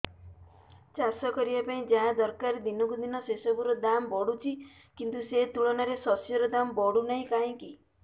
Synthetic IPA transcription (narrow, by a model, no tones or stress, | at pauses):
t͡ʃasɔkɔɾibapaĩd͡ʒaɦãd̪ɔɾkaɾed̪inɔkud̪inɔsesɔbuɾɔd̪ambɔɽut͡ʃʰi | kint̪uset̪uɭɔnaɾesɔsjɔɾɔd̪ambɔɽunaɦĩkaĩki